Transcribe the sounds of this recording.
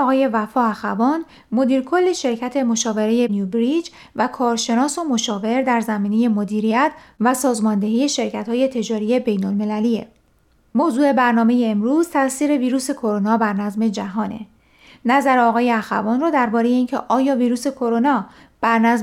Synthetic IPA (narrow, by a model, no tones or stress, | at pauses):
ɒɣɒːje̞væfɒːæxæ̰vɒːn | mo̞d̪iːɾkʰo̞lːeʃe̞ɾcʰæt̪ʰe̞mo̞ʃɒːve̞ɾe̞je̞njubɾid͡ʒ | vækʰɒːɾʃe̞nɒːso̞mo̞ʃɒːve̞ɾd̪æɾzæmiːne̞je̞mod̪iːɾijæt̪ʰvæsɒːzmɒnd̪e̞ɦiːje̞ʃe̞ɾcʰæt̪hɒːje̞t̪ʰe̞d͡ʒɒːɾije̞be̞jnolme̞læliḛ | moːzuːe̞bæɾnɒːme̞jeːmɾuːz̥t̪ʰæʔsiːɾe̞viːɾuːse̞kʰo̞ɾo̞nɒːbæɾnæzme̞d͡ʒæɦɒːne̞̰ | næzæɾeɒːɣɒːje̞æxæ̰vɒːnrɔːd̪æɾbɒːɾe̞je̞iːncʰeʔɒːjɒːviːɾuːse̞kʰo̞ɾo̞nɒː | b̥æɾnæz